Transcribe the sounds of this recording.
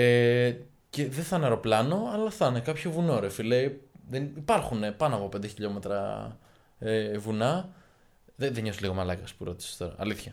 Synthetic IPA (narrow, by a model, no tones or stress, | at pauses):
e | ce̞ðeθɐnɐɾo̞plɐno̞ɐlɐθɐnekɐpçovunoɾefileiðenipɐɾxunepɐnoɐpo̞pe̞nd̪eçiʎome̞t̪ɾɐ̰ | evunɐ | ðeðeɲo̞siliɣo̞mɐlɐkɐspuɾo̞t̪i̥se̥t̪o̞ɾɐ̰ːliθçɐ